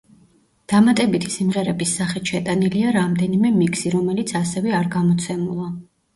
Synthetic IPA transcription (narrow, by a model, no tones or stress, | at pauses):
d̪̥amat̪ʼɛbit̪ʰi̥simʁɛɾɛbisːaχɛt̪ʃɛt̪ʼaniliaɾamd̪ɛnimɛmiksiɾɔmɛlit̪sʰasɛvɛaɾɡamɔt̪sʰɛmulˠa